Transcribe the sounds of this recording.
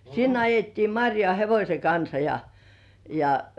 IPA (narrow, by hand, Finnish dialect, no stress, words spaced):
sinː ɑjetːiː mɑrʲjoɑˑ heʋosʲeŋ kɑnsɑ jɑ jɑ